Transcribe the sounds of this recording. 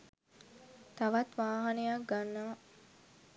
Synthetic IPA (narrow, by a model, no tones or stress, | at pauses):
t̪aʋat̪ʋaːɦanejak̚ɡanːɐʋa